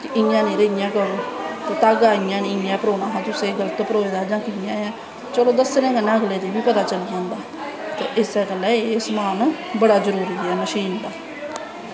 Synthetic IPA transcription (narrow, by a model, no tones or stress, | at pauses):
kɪʔɪãːneːɾəɪjãːkəɾõːt̪eːt̪aːɡaːɪjãːnĩːɪjãːpəɾoːnãːɦãːt̪ʊsẽːɡələt̪pəɾoːeːd̪aːd͡ʒãːkɪjãːãː | t͡ʃəɽoːd̪əsɾẽːɡənẽːəɡleːd̪iːbiːpət̪aːt͡ʃəld͡ʒãːnd̪aː | t̪ḛːʔɪsɛːkəlɛːeːsmaːn | bəɽaːzəɾuːɾiːɛːməʃiːnd̪aː